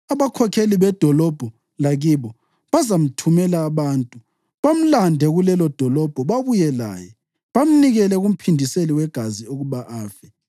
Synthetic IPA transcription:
aβakʰɔkʰeliβɛd̥ʱɔlɔb̥ʱɔ | laɣiβɔ | βazam̩tʰumɛlaːβaːntʼu | βam̩landʱɛɣulɛlɔd̥ʱɔlɔb̥ʱɔβaβujɛla̰ːjɛ | βam̩niɣɛlɛɣum̩pʰindʱiseliwɛɡ̥ʱazioɣuβaʔaːfɛ

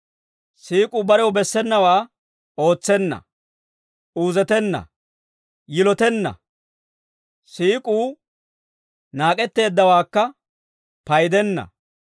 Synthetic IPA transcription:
siːkʼuːbɐɾɛwbɛsːɛnːɐwaː | o̞ːt͡sːɛnːɐ̰ | uːzɛt̪ɛnːɐ̰ | jɪlɔt̪ɛnːɐ̰ | siːkʼuː | naːkʼɛt̪ːe̞ːd̪ːɐwaːkːɐ | pɐjd̪ɛnːɐ̰

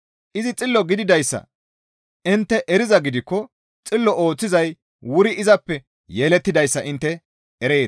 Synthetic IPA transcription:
ʔɪzɪt͡sʼɪlːɔɡɪd̪ɪd̪ɐjsːɐ̰ | ʔɪnt̪ːɛʔɛɾɪzɐɡɪd̪ɪkːɔ | t͡sʼɪlːɔʔo̞ːt͡sːɪzɐj | wʊɾɪɪzɐpːɛ | jeːlɛt̪ːɪd̪ɐjsːɐʔɪnt̪ːɛ | ɛɾe̞ː

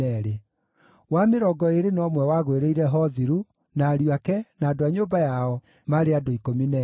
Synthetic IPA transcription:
ɛɾe | wameɾɔɡɔeɾenɔmwɛwaɣweɾeiɾɛɦɔðiɾu | naːɾiakɛnaːdoaɲoːbajaɔ | maɾeadoikominɛ

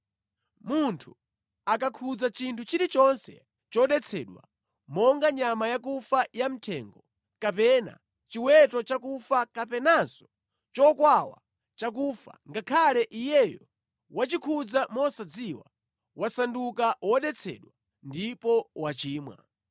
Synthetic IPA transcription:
muntʰu | akakʰud͡zat͡ʃintʰut͡ʃiɾit͡ʃɔnsɛ̰ | t͡ʃɔɗɛt͡sʰɛ̰ɗwa̰ | mɔŋɡaɲamajakufajam̩tʰɛŋɡɔ | kapɛna̰ | t͡ʃiwɛtɔt͡ʃakufakapɛnazɔ | t͡ʃɔkwawa̰ | t͡ʃak̬uːfa̰ŋɡakʰalɛʔijɛjɔ̰ | wat͡ʃikʰud͡zamɔsad͡ziwa̰ | wasandukawɔɗɛt͡sʰɛ̰ɗwa | ndipɔwat͡ʃiːmwa̰

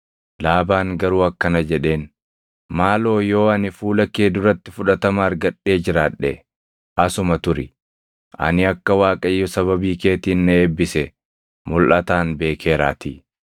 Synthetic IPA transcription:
laːbaːŋɡɐɾuːɐkːɐnɐd͡ʒɛᶑe̞ːn | maːlo̞ːjo̞ːɐnɪfuːlɐkeːd̪ʊɾɐt̪ːɪfʊᶑɐt̪ɐmɐɐɾɡɐᶑːe̞ːd͡ʒɪɾaːᶑːɛ | ʔɐsʊmɐt̪ʊɾɪ̰ | ʔɐ̰nɪɐkːɐwaːkʼɐjːʊsɐβɐbiːke̞ːt̪iːnːɛeːbːɪsɛ | mʊlʔɐt̪aːnbe̞ːkʰe̞ːɾa̰ːt̪ḭː

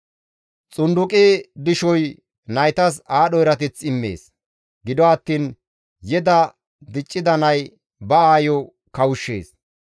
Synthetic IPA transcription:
t͡sʼʊnd̪ʊkʼid̪ɪʃɔj | nɐjt̪ɐsaːɗɔjɪɾɐt̪ɛt͡sːɪmːḛːs | ɡɪd̪ɔɐt̪ːiːn | jɛd̪ɐ | d̪ɪt͡ʃʼːɪd̪ɐnɐj | bɐaːjɔ | kɐwʊʃːḛːs

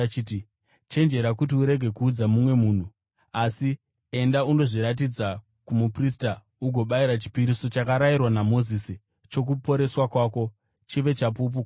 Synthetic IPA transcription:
t͡ʃiːti | t͡ʃe̞nd͡ʒe̞ɾakutiuɾe̞ɡʱe̞kuːd͡zamumwe̞muːn̤u | asi | e̞ndauno̞ʐiɾat̬id͡za | kumuprista | uɡʱo̞ɓaiɾat͡ʃi̥piɾiso̞t͡ʃakaɾajirwanamo̞zisi | t͡ʃo̞k̬upo̞ɾe̞swakwaːko̞ | t͡ʃiʋe̞t͡ʃap̬up̬uk

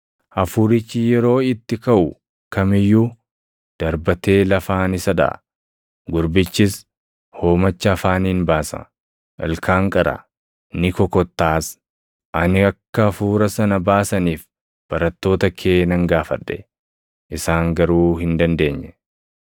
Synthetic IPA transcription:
ʔɐfuːɾɪt͡ʃːijɛɾo̞ːɪt̪ːɪkɐʔʊ | kɐmɪjːu | d̪̥ɐɾbɐt̪e̞ːlɐfaːnɪsɐd̪ɐ̰ | ɡʊɾbɪt͡ʃːɪs | ho̞ːmɐt͡ʃːɐːfaːniːnbaːsɐ̰ | ʔɐ̰lkʰaːŋkʼɐɾɐ̰ | nɪkɔkɔt̪ːaːs | ʔɐnɪɐkːɐːfuːɾɐsɐnɐbaːsɐniːf | b̥ɐɾɐt̪ːo̞ːt̪ɐkʰe̞ːnɐŋɡaːfɐ̰ᶑːɛ̥ | ʔɪsaːŋɡɐɾuːhɪnd̪ɐnd̪e̞ːɲːɛ

